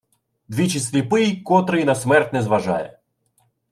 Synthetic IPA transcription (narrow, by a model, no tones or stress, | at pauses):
d̪vʲit͡ɕɪsʲlʲɪpɨjkɔt̪ɾɨjnɐsmɛrt̪ʲnɛzvɐʐa̰jə̰